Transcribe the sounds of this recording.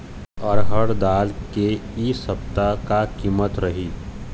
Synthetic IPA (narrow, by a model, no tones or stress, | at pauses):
əɾɦəɽd̪aːlkeisɐpt̪akakiːmət̪ɾɐɦiː